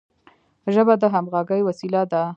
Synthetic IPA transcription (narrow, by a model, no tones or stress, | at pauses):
ʒəbad̪əɦamɣɑɡəjwasilad̪a